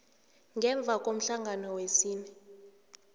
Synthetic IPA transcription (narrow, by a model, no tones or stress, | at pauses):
ŋʱɛɱb̪vʱak̬ʼom̩ɬaŋɡʱanɔwesiːnɛ